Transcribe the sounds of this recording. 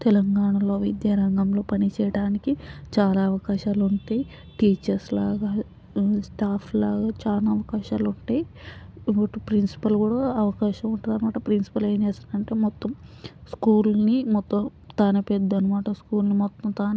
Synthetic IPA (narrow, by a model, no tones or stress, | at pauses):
t̪ɛlɐŋɡaːɳɐlo̞ːʋid̪jaːɾɐŋɡɐmlo̞ːpɐnit͡ʃɛːjɐɽaːnikit͡ʃaːlaːɐʋɐkaːʃaːluɳʈaːji | ʈiːt͡ʃɐɾslaːɡaː | sʈaːpʰlaːɡaːt͡ʃaːnaːɐʋɐkaːʃaːluɳʈaːjiʋɐʈupɾinsi̥pɐlkuːɽaːɐʋɐkaːʃɐmuɳʈɐnɐnimaːʈɐpɾinsi̥pɐleːnd͡ʒɛːsaɐɳʈe̞ːmɔt̪ːɐmskuːlnimɔt̪ːɐm | t̪aːnɐped̪ːɐnimaːʈɐskuːlnimɔt̪ːɐmt̪aːnɐ